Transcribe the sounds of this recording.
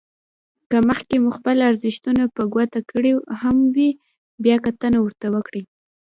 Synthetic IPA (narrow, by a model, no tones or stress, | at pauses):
kəməxkemuxpəlaɾzɪʃt̪unapəɡwat̪akəɽihamwi | bjɑkat̪ənawəɾt̪awəkɽi